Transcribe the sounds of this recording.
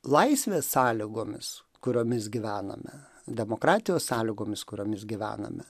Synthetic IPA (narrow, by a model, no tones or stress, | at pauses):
lˠɐɪsʲʋʲeːssɑːlʲɪɡoːmʲɪ̰s | kʊɾʲoːmʲɪsɡʲɪʋʲæːnɐ̰mʲɛ̰ | d̪ʲɛmoːkɾɑːt̪ʲɪjoːssɑːlʲɪɡoːmʲɪskʊɾʲoːmʲɪsɡʲɪʋʲæ̰ːnɐ̰mʲɛ